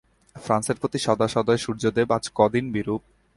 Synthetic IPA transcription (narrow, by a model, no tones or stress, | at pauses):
fɾanseɾpɾot̪iʃɔd̪aʃɔd̪aeʃuɾd͡ʑod̪ebad͡ʑkɔd̪inbiɾup̚